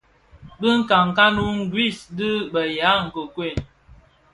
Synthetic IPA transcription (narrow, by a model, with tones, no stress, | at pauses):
bə˦ŋ̩˦ka˨ŋ˨ka˦nu˦ŋ̩˦ɡwi˦˨sdɨ˦bə˨ja˨˦ŋ̩˨kə˨kwe˦˨